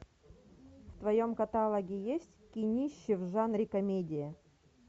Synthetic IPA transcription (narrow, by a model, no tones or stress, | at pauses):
ft̪vɐjomkɐt̪alˠəɡʲɪjesʲtʲkʲɪnʲiɕːɪvʐanɾʲɪkɐmʲedʲɪjɪ